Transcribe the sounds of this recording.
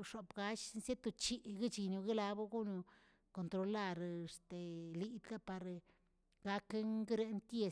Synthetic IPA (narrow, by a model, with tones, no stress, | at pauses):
ʂo˨pɡa˧ʃnsje˦t̪o˧t͡ʃi˧ɡi˦t͡ʃi˧nu˧ɡi˦la˧bu˦ɡu˦nu˧ | ko˨nt̪ɾo˧la˦ɾst̪e˨li˧d̪a˦pa˨ɾ | ɡa˧kŋɡi˦ɾe˧˦nt̪je˧